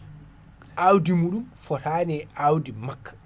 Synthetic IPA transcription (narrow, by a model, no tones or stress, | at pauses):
ʔawdimuɗumfɔtaːnɛawdimakʰːḁ